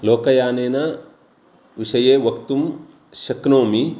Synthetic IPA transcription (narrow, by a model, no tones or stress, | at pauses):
loːkɐjaːnenɐ | ʋisɐjewɐkt̪um | sɐknoːmi